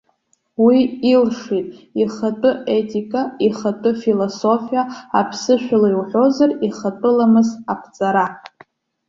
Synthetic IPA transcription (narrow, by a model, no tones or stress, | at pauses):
wiːlʂitʼiχatʼɨetʼikʼaiχatʼɨfiloso̞fijaapʰsɨʃʷᶣalajwħʷᶣo̞zariχatʼɨlamɨzapʰt͡sʼaɾa